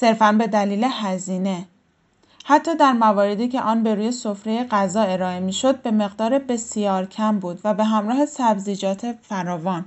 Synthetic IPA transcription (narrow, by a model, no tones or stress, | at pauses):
se̞ɾfænbe̞d̪æliːle̞hæziːne̞ | hæt̪ʰːɒːd̪æɾmævɒːɾe̞d̪iːcʰe̞ʔɒːnbe̞ɾuːje̞sofɾe̞jeɢæzɒːe̞ɾɒːe̞miːʃo̞d̪̚be̞me̞ɣd̪ɒːɾebe̞sjɒːɾcʰæmbuːd̪væbe̞ɦæmɾɒːhe̞sæbziːd͡ʒɒːt̪ʰe̞fæɾɒːvɒːn